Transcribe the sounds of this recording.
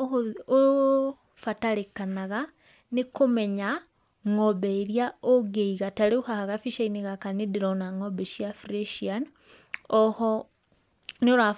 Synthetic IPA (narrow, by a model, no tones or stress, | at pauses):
o | fataɾekanaɣa | nekomɛɲa | ŋɔβɛeɾjaoɡeiɣataɾeuhahaɣafiʃaineɣakanedeɾɔnaŋɔbɛʃjafɾeʃian | ɔhɔ | neoɾa